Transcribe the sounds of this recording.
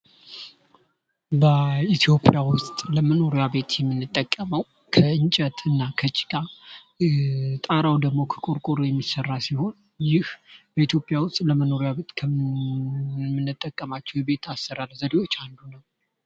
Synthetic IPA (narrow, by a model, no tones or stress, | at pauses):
bəit̪ʰjo̞pʼjawʊst̪ʼləməno̞ɾjaβe̞t̪jɛmːɨnːɨt̪ʼːəkʼːəməw | kʰəɨnt͡ʃʼət̪ʰɨnːakʰət͡ʃʼɪ̥kʼa | t̪ʼaɾawd̪əɡmo̞kʰə̥kʼuɾkʼuɾjɛmːisərːasiho̞n | jɪhb̥əit̪ʰjo̞pʼjawʊst̪ʼləməno̞ɾjaβe̞t̪kʰə | mːɨnːɨt̪ʼːəkʼːəmat͡ʃːɛwɛbe̞t̪ʰasːɨɾalzəd̪ewo̞t͡ʃːand̪unəw